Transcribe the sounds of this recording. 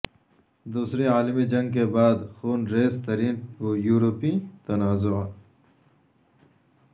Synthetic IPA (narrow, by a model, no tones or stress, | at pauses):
d̪uːsɾeaːlɪmid͡ʒɐ̃ŋɡk̬ebaːd̪xuːnɾeːst̪ɐɾiːnwoːjuːɾopĩt̪ɐnaːzo